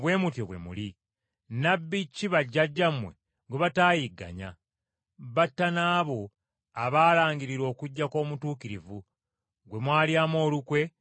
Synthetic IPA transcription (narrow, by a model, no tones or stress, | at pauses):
βwe̞ːmutjoβwe̞̰mṵli | nabːicːiβaɟːaɟːamwe̞̰ | ɡweβataːjiɡːa̰ɲa̰ | βatːanaːβo̞ | aβaːlaːɲɡiɾiɾo̞ːkuɟːako̞ːmutuːkiɾivu | ɡwe̞mwaːljaːmo̞ːlukwe̞